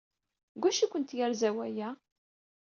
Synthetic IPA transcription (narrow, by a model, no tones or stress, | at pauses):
ɡʷæʃikʷənt̪jaɾzæwæjæ